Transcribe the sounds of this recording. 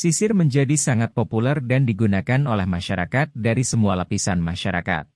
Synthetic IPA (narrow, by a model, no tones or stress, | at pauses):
sisɪrməɲd͡ʒadisaŋat̪̚populɛrdandiɡunakanolɛhmaʃaɾakat̪̚daɾisəmualapisanmaʃaɾa̰ka̰t̪̚